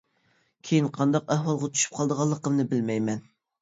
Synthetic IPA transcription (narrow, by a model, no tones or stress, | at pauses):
kʲʰejinqʰɑnd̪ɑqæhwɑlˠʁɑt̪ʰy̥ʃy̥p̚qʰɑlˠd̪əʁɑlˠːəqəmnɨbɪlmɛjmɛn